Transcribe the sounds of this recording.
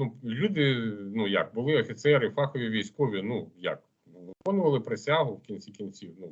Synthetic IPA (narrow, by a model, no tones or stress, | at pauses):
nulʲud̪ɪnujɐ̰k̚bʊlˠɪɔfʲit̪sɛɾɪfɑxɔʋʲiʋʲijsʲkɔʋʲinuja̰k | ʋɪkɔnʊʋɐlˠɪpɾɪsʲaɦʊwkʲinʲt͡sʲikʲinʲt͡sʲiwnu